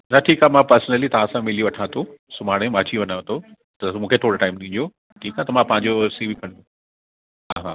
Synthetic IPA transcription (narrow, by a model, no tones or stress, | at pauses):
nɐʈʰiːkaːɦmãpəɾsnəlit̪ɐʋ̤ãːsãmɪlijoʋɐʈʰãːt̪ʰosʊmaːɽ̃ẽmaːt͡ɕiʋɐnaʋɐ̃t̪ʰo | t̪ɐmũːkʰet̪ʰoːɽoʈaːɪmtʰĩːd̪io | ʈʰiːkaːt̪ɐmãpɐ̃ɦɪ̃ɲd͡ʑosibɪkʰɐ̃ɽ̃d̪o | ɦaɦaː